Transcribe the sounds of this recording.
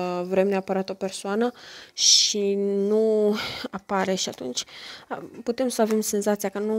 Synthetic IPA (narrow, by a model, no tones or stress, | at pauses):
vɾe̞mneapəɾat̪o̞pe̞rsoanəʃinuapaɾe̞ʃiat̪unt͡ʃʲ | put̪e̞msəave̞mse̞nzat̪sijakənu